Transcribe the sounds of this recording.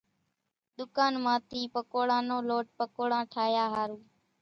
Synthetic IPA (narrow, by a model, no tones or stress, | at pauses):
ɗ̪ʊkaːnmãːt̪ʰiːpəkoːɽãːnõːloːʈ̚pəkoːɽãːʈʰaːjaːɦaːɾuː